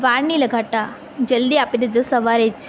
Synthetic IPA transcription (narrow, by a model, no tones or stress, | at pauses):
ʋaɽniləɡʱaʈa | d͡ʒəld̪iapid̪ed͡ʒosəʋaɾet͡ʃ